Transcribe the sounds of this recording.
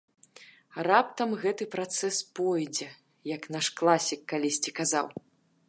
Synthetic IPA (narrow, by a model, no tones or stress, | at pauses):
rap̚t̪ɐmɣɛt̪ɨpɾat̪sɛspɔjd͡zʲɛ | jɐknaʂklˠasʲikːalʲisʲt͡sʲikaza̰w